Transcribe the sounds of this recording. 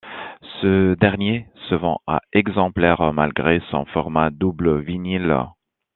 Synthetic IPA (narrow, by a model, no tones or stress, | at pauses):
səd̪ɛʁnjesəvɑ̃a̰ɛɡzɑ̃plɛʁma̰lɡʁesɔ̰̃fɔʁmad̪ubləvinil